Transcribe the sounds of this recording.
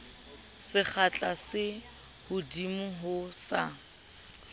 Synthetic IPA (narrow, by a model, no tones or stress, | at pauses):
sɪk͡xʰat͡ɬʼasɪ | hʊdimʊɦʊsa